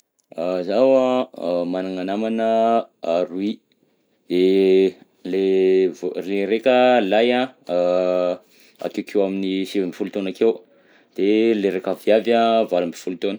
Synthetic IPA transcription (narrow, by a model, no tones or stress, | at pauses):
zawamanaŋanamanəaɾui | d̪e | levreɾekʲəlajã | a̰kewkʰewaminisevimbifulut̪onakew | d̪̥eleɾekavjavavalumbifulut̪onə